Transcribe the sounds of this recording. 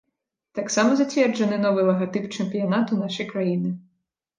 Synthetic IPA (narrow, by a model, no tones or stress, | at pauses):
t̪ɑksɑmɔzɐtʲʋʲɛrd͡ʒenɪnɔʋɪjlˠɐɦɐt̪ɪpt͡ʃempʲijɐnɑt̪ʊnɑʃɪjkɾɐjinɪ